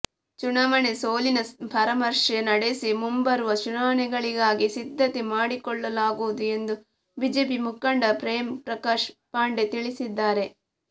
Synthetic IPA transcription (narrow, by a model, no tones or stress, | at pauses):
t͡ʃunɐmɐnesoːlinɐpɐɾɐmɐɾʂenɐɽesimumbɐɾuʋɐt͡ʃunaːɐɳɛɡɐɭiɡaːɡisid̪ʱːɐt̪emaːɽikɔɭːɐlaːɡuʋd̪ue̞nd̪u | biːd͡ʒe̞ːp̬imukːɐɳɖɐpɾeːmpɾɐkaːʃpaːɳɖet̪iɭisid̪ːaːɾe̞